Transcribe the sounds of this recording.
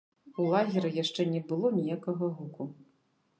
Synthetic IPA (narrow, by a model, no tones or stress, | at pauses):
ulˠaɣʲɛɾɨjaʂt͡ʂɛnʲɛbɨlˠɔnʲijakɐɣɐɣuku